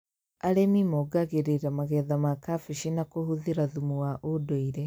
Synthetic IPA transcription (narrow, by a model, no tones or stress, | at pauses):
aɾemimɔɡaɣeɾeɾamaɣɛðamakafiʃinakohuðiɾaðumuaʔodoiɾɛ